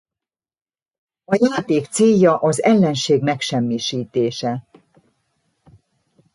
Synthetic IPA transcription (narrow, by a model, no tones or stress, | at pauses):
ɒjaːt̪eːkt̪seːjːɒʔɒzɛlːɛnʃeːɡmɛkʃɛmːiʃiːt̪eːʃɛ